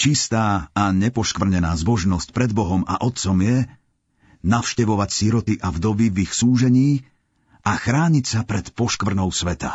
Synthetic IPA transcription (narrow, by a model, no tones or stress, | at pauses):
t͡ʃist̪aːaɲɛpɔʃkʋr̩ɲɛnaːzbɔʒnɔsc̚pɾɛd̪̚bɔɦɔma̰ʔɔt̪̚t͡sɔmjɛ | nafʃcɛʋɔʋacsiɾɔt̪iʔavd̪ɔʋivixsuːʒɛɲiː | axɾaːɲicsapɾɛt̪pɔʃkʋr̩nɔʊsʋɛt̪a